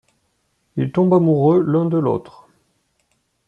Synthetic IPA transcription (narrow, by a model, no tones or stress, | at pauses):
ilt̪ɔ̃bamuʁølɛ̃d̪əlo̰t̪χ